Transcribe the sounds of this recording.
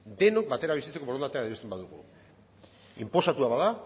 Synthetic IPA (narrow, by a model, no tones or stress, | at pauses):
d̪e̞no̞k̚bat̪e̞ɾaβisit͡se̞kooɾond̪at̪eaiest̪embaðuɣṵ | impo̞sat̪uaβaða